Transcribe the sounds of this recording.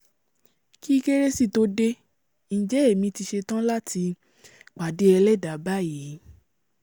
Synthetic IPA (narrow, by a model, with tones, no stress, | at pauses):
ki˦ke˦ɾe˦si˦˨to˧˦de˦ | n̩˨d͡ʒɛ˨˦e˦˨mĩ˧ti˧ʃe˧tã˦la˦tʰi˧ | k͡pa˨de˦ɛ˧lɛ˦˨da˨ba˦˨ji˨˦